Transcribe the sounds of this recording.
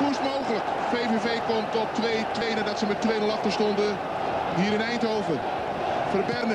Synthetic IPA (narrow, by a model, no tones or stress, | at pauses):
ustmowɣələk | feːvevejkɔmtɔp̚tʋejtʋejnədɔtsəmɛt̚kʋejnəlˠɑχtəɹstɔndə | ɦiːɾɪnɛjntɦowvə | fərbɛrnə